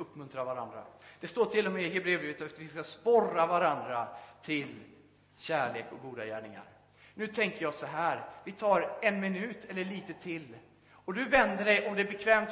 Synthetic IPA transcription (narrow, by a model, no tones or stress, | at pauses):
ɵpːmɵnt̪ɾavaɾand̪ɾa̰d̪̥ɛst̪oːʈʰɪlːɔmɛɪɦɛbɾeːbɾeːvət̪at̪vɪskaspɔravaɾand̪ɾat̪ʰɪl | ɕæːɭeːkɔɡuːd̪ajæːɳɪŋa̰ɾ | nʉ̟ːt̪ʰɛŋkəɾjɑːsɔɦæːɾvɪt̪ʰɑːɾɛnmɪnʉ̟ːt̪ʰɛlːəɭiːt̪ət̪ʰɪlː | ɔd̪ɵvɛnd̪əɖɛjʔɔmd̪ɛæbɛkʰvɛːmt̪